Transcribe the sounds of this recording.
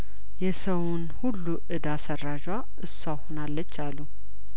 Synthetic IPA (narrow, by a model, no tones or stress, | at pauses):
jɛsəwunhulːuʔɨd̪asəraʒwa | ʔɨsːʷahonalːət͡ʃːalːu